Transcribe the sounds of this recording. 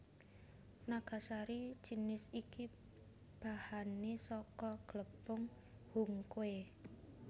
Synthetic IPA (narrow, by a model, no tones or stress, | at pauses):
naɡ̥a̤saɾi̥d͡ʒ̥i̤nɪsiki | b̥a̤hanesɔkɔɡ̥ləb̥ʊŋ | huŋkoe